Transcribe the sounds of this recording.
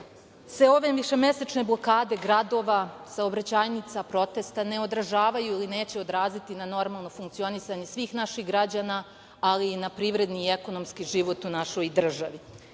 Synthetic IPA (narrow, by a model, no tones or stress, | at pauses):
sʋe̞o̞ʋe̞ʋiʃe̞mje̞set͡ʃne̞blˠo̞kaːd̪e̞ɡɾad̪o̞ʋasaobɾat͡ɕaːjnit̪sapɾo̞t̪e̞st̪ane̞o̞d̪ɾaʒaːʋajuiline̞ːt͡ɕe̞o̞d̪ɾaːzit̪inano̞ɾmalˠno̞fuŋkt̪sio̞nisaɲe̞sʋiːxnaʃiɣɡɾad͡ʑaːna | alinapɾiʋɾe̞d̪niːe̞ko̞no̞mskiʒiʋo̞t̪unaʃo̞jd̪r̩ʒaʋi